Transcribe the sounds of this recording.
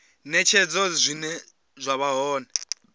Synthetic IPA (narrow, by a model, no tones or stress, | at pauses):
nɛt͡ʃʰɛd͡zɔzʷinɛ | zʷaβaɦɔːnɛ